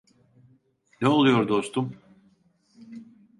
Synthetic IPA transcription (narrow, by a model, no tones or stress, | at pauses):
nɛolˠujoɾd̪o̞st̪um